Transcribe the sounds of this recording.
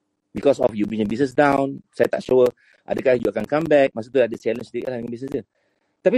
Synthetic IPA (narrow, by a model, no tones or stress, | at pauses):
bikɔsɔfjubɹĩəbis̬nəs̬dãw̃nsat̪atʃoə | ʔa̰dəɡajsjuakãnkãmbɛk̚mas̬ət̪udat̚dət͡ʃɛlə̃nst̪ekɛaiŋɔ̃bisnəsə | t̪api